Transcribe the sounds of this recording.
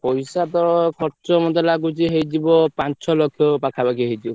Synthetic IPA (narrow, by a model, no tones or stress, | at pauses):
pɔjsat̪ɔɹɔkʰɔʈt͡ʃɔmɔd̪ɔlaɡut͡ʃiɦejd͡ʒibɔpansʰɔlɔkʰjɔpakʰabakiɦejd͡ʒibɔ